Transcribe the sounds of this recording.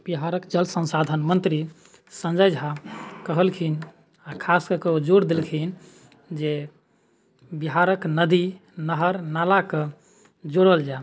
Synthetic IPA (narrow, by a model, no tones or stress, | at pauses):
b̥iɦaɾəkd͡ʒəlsə̃nsad̪ʱənmənt̪ɾi | sə̃nd͡ʒajd͡ʒʱɦakəɦəlkʰin | akʰaskəkeod͡ʒoɽd̪elkʰin | d͡ʒe | biɦaɾəknəd̪inəɦəɾnalakə | d͡ʒoɽəld͡ʒa